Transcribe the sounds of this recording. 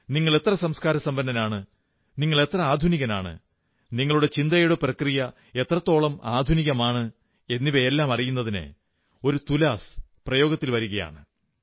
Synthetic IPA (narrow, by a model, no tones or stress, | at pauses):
niŋːɐɭe̞t̪rɐsɐmskaːɾɐsɐmbɐndɐnaːɳɨ | niŋːɐɭe̞t̪rɐaːd̪ʱuniɣɐna̰ːɳɨ̰ | niŋːɐɭuɽe̞t͡ɕind̪ɐjuɽeprɐkrijɐ | e̞t̪rɐt̪ːo̞ːɭɐmaːd̪ʱuniɣɐmaːɳɨ | e̞nːiʋeelːaːmɐrijunːɐðinɨ̰ | o̞ɾut̪ulaːsprɐjo̞ːɡɐt̪ːilʋɐɾuɣɐja̰ːɳɨ